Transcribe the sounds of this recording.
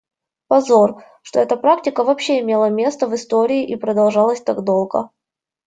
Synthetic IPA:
pɐzo̞r | ʂt̪oɛt̪əpɾaktʲɪkəvɐpɕːeɪmʲe̞lˠəmʲe̞st̪əvɨst̪o̞ɾʲɪɪʔipɾəd̪ɐlˠʐɑlˠəsʲt̪aɡd̪o̞lˠɡə̰

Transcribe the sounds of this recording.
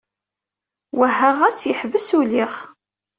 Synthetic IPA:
wəɦːæʁæsjəħvəsuliχ

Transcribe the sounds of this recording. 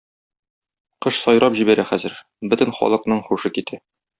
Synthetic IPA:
qɤʃsɒjɾɑpʑibæɾæχæzɘ̆ɾ | bɵt̪ɘ̆nχɒ̰lˠɤ̆qnɤɴχuʃɤkit̪æ

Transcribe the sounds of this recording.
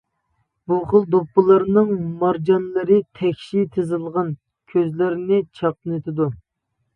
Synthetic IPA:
buχəlˠd̪opːɨlˠɑɾnɨŋmɑɾd͡ʒɑnlˠɨɾɨt̪ʰɛkʲʃit̪ʰɨzɨlˠʁɑn | kʲʰøzlɪɾɪnɪt͡ʃʰɑqɨnɨt̪ʰɪd̪u

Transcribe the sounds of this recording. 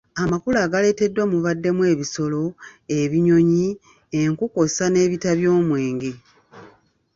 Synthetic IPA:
amakulaːɡale̞ːte̞dːwamuβadːe̞mwe̞ːβiso̞lo̞eβiɲo̞ɲi | eŋkuko̞sane̞ːβitaβjo̞ːmwe̞ːŋɡe

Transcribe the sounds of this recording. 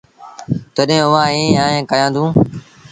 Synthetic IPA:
t̪oɗɦẽːʊʋãːɦẽːjãːẽːkəjãːnd̪ũː

